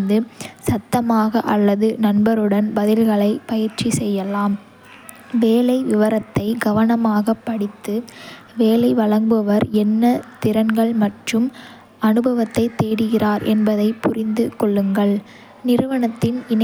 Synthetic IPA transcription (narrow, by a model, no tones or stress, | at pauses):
nd̪ɯsɐt̪ːɐmaːɣɐʔɐlːɐðɯnɐnbɐɾɯɽɐnbɐðɪlɣɐɭɐɪpɐjɪɾt͡ʃːisɛjːɐlaːm | ʋeːlɐɪʋɪʋɐɾɐt̪ːɐɪɡɐʋɐnɐmaːɣɐpːɐɽɪt̪ːɯ | ʋeːlɐɪʋɐɭɐŋbɯʋɐɾɛnːɐt̪ɪɾɐnɡɐɭmɐʈrɯm | ɐnɯbɐʋɐt̪ːɐɪt̪ːeːɽɯɣɪraːɾɛnbɐðɐɪpʊrɪnd̪ɯkɔɭːɯŋɡɐɭ | nɪɾɯʋɐɳɐt̪ːɪnɪn